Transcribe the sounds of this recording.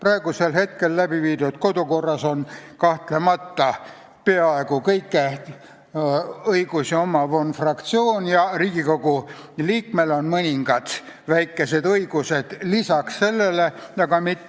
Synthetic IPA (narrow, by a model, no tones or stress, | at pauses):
pɾɑe̞ɡ̥use̞lɦe̞t̪ke̞lːæb̥iviːd̪̥ud̪̥ko̞d̪uko̞rːɑso̞nkɑht̪le̞mɑt̪ːɑ | pe̞ɑe̞ɡ̥ukɤjkːˑe | ɤjɡ̥usiomɑvonfrɑkt̪sio̞ːnjɑriːɡ̥iko̞ɡ̥uliːkme̞lo̞nmɤnʲiŋɡ̥ɑd̪̥ | væjkːˑe̞se̞d̪ɤjɡ̥use̞d̪̥lisɑksse̞lːe̞le̞jɑɡɑmit̪ː